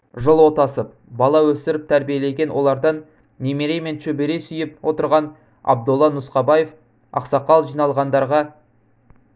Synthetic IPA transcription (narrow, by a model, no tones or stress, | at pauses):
ʒəlˠwot̪ɑsəp̚ | bɑlˠɑwɵst̪ɪɾɪp̚t̪ʰæɾbije̞le̞ɡʲe̞nwʔo̞̰lˠɑɾd̪ɑnːʲ | e̞meɾe̞jme̞nʃɵbeɾe̞sʏjɪp̚wʔo̞t̪əɾʁɑn | ɑ̰b̚d̪ʊlˠːɑnʊsqɑbɑje̞f | ɑ̰qsɑqɑlˠʒijnɑlˠʁɑnd̪ɑɾʁɑ